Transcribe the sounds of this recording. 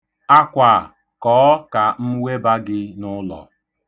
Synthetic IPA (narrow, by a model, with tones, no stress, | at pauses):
a˦kʷa̰˨ | kɔː˨˦ka˨m̩˦we˦ba˦ɡɪ˦nʊ˦lɔ̰˨